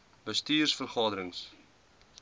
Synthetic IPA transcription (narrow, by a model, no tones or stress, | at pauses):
bəstiːrsfərχɑːdəɾəŋs